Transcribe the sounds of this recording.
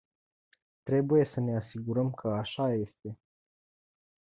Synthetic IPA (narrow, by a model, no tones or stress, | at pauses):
t̪ɾe̞buje̞səne̞asiɡuɾəmkʰəaʃaje̞st̪e̞